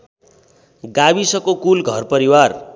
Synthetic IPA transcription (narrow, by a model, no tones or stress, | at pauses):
ɡabisʌkokulɡʱʌrpʌɾiwar